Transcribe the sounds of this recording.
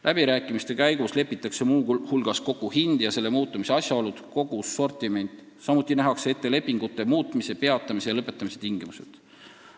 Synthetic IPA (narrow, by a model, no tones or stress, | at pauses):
lʔæb̥iɾæːkːˑimist̪e̞kæjɡ̥usle̞pːˑit̪ːˑɑkse̞muːhulɡ̥ɑsko̞ɡ̥uhind̪̥jɑse̞lːemuːt̪ːˑɑmise̞ɑsʲjɑo̞lud̪̥ko̞ɡ̥usːo̞rt̪ˑime̞nʲt̪ˑ | sɑmut̪ːˑinæɦɑksee̞t̪ːe̞le̞pːiŋɡ̥ut̪ːˑe̞muːt̪ˑmise̞pe̞ɑt̪ːˑɑmise̞jɑlɤpːˑe̞t̪ːˑɑmise̞̥t̪iŋɡimuse̞̰d̪̥